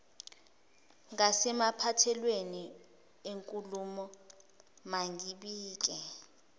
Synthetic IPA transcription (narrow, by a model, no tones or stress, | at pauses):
ŋasɛmapʰatʰɛlweni | eŋkʼulumɔ | maŋʱiɓiːk̬ʼɛ